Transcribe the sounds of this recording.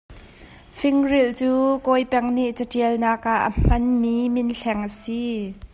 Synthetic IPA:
fɪŋrilt͡suːkɔjpɛŋniʔt͡səʈ͡ʂiəlnaːkaʔːəm̥ɐnmiːmɪnɬʰɛŋʔəsi

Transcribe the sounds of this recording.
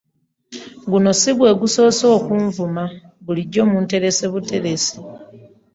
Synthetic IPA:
ɡuno̞siβwe̞ɡuso̞ːso̞ːkuɱvuma | ɡuliɟːo̞ːmunte̞ɾe̞se̞βute̞ɾese

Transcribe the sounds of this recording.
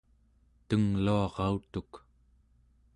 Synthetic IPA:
t̪əŋluɑʁɑut̪uk

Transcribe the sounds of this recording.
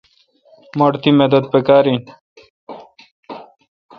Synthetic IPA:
moɽt̪imed̪əd̪̚pekaːɾi

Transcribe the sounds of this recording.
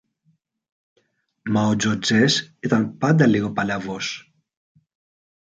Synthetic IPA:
mawd͡ʒod͡ʒeset̪anpad̪aleɣopalavos

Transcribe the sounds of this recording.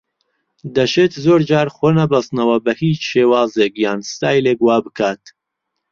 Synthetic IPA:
d̪ɐʃeːt̪zoːɾd͡ʒaːɾxoːnɐbɐst̪nɐwɐbɐhiːt͡ʃʃeːwaːzeːkjaːnst̪aːjleːkwaːbɨkʰaːt̪

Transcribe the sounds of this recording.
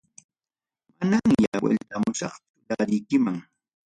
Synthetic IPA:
manaŋjawḛlt̪amʊʃɑqt͡sʊ̥ʊlaɾɪjkɪmaŋ

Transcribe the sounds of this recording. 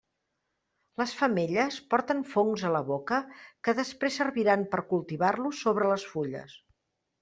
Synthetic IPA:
ləsfəmeʎəspɔɾt̪ənfoŋzələβokəkəðəspɾesəɾβiɾampəɾkulˠt̪iβarlusːoβɾələsfuʎə̰s

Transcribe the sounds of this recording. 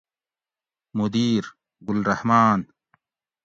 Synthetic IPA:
mud̪iːɾ | ɡʊlɾɐhmaːn

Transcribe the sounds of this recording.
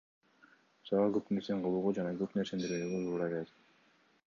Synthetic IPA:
sɑlˠɑɡøpneɾseɴqolˠuːʁud͡ʒɑnɑɡøpneɾse̞nd̪eɾyyɡøt̪uːɾɑɡeet̪

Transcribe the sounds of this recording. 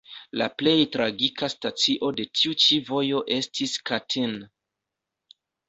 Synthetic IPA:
la̰ple̞jtɾaɡikʰastat͡siʔo̞de̞tʰiut͡ʃivo̞jo̞ʔe̞stʰiskatʰin

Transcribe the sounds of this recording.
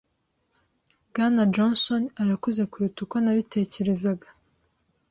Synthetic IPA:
ɡanad͡ʒonso̞naɾakuze̞kuɾitukonaβite̞ːce̞ɾe̞zaɡa

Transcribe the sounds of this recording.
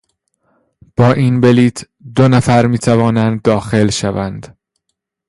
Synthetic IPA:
b̥ɒːʔinbeliːt̪ʰ | d̪onæfæɾmiːt̪ʰævɒːnænd̪ːɒːxe̞lʃævænd̪̥

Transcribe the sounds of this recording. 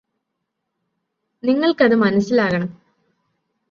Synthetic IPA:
niŋːɐɭkɐðɨmɐnɐsːilaːɣɐɳɐm

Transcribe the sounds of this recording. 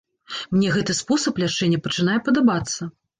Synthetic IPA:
mnʲɛɣɛt̪ɨspɔsɐplʲaʂɛnʲːɐpɐt͡ʂɨn̪ajɛpɐd̪abat̪sːɐ

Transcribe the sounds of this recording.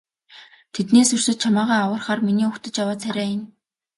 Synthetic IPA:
t̪ʰet̪neːsɵr̥s̆t̪̚t͡ɕʰamaːʁaːawə̆rχaːrminiːɵkt̪ə̆t͡ɕjawaːt͡sʰæɾʲæːjɪ̆n

